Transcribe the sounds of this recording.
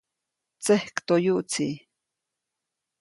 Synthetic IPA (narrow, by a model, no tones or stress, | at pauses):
t͡sehkt̪ojuʔt͡si